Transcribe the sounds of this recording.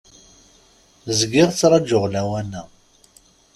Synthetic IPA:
zəɡɪʁt͡sːɾˤɑd͡ʒʊʁlæwænːæ

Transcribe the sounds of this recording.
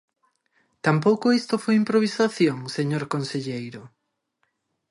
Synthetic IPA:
t̪ampowkoest̪ofojimpɾoβ̞isaθjoŋseɲoɾkonseʎejɾo

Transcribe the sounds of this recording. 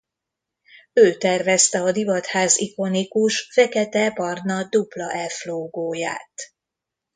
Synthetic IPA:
øːt̪ɛrvɛst̪ɛɒd̪ivɒt̪haːziko̞nikuʃfɛkɛt̪ɛpɒrnɒd̪uplɒʔɛlfloːɡoːja̰ːt̪

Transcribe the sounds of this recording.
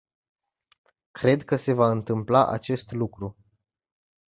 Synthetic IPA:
kɾe̞d̪kəse̞vaɨnt̪ɨmplaʔa̰t͡ʃe̞st̪lukɾu

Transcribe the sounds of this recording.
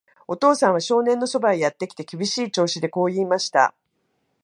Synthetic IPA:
o̞t̪o̞ːsãɰ̃β̞aɕo̞ːnẽ̞nːo̞so̞baijat̪ːe̞kʲi̥t̪e̞kʲibʲiɕiːt͡ɕo̞ːɕid̪e̞ko̞ːiːmaɕi̥t̪a̰

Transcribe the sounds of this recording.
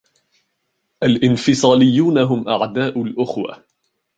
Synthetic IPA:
ʔalʔɪnfɪsˤɑːlɪjːuːnaɦʊmʔaʕd̪aːʔʊlʔʊxwa̰

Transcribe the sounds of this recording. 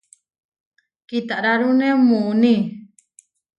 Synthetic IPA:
kit̪aʔɾaɾunemuuni

